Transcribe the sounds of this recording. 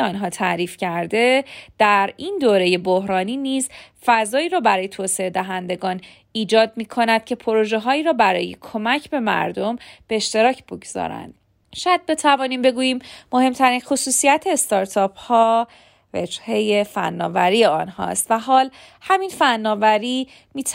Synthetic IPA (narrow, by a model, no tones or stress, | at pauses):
ɒːnɦɒːt̪ʰæɾiːfcʰæɾd̪e̞d̪̥æɾind̪oːɾe̞je̞bohɾɒːniːniːzfæzɒːiːɾɒːbæɾɒːjet̪ʰoːseed̪æɦænd̪e̞ɡɒːn | iːd͡ʒɒːd̪̚miːkʰo̞næd̪̥̚cʰe̞pʰo̞ɾoʒeɦɒːiːɾɒːbæɾɒ̰ːje̞̰kʰo̞mæcʰbe̞mæ̰ɾd̪o̞mb̥e̞ːʃt̪e̞ɾɒːcʰb̥oɡz̥ɒ̰ːɾæ̰nd̪̥ | ʃɔjæd̪̚be̞t̪ʰævɒːniːmbe̞ɡuːjiːmmo̞he̞mt̪ʰæɾinxosuːsijæt̪ʰeːst̪ɒɾt̪ʰɒːphɒː | vḛd͡ʒhe̞jefæ̰nːɒ̰ːvæɾiːe̞ɒnhɒ̰st̪væɦɒːl | hæminfænːɒːvæɾiː | miːt̪ʰ